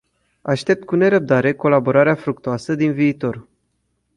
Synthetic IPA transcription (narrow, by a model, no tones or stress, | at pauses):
aʃt̪e̞p̚t̪̚kune̞ɾəp̚d̪aɾe̞ko̞labo̞ɾaɾeafɾuk̚t̪uasəd̪inviːt̪o̞r